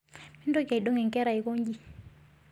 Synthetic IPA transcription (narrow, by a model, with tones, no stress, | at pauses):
mi˦ndo˦ka˨i˨ɗo˦ŋɛ˨ŋkɛ˦ɾa˨i˨ko˦ɲd͡ʒi˦